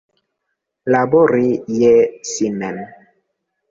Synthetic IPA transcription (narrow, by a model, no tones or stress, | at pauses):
laboɾijɛsinɛn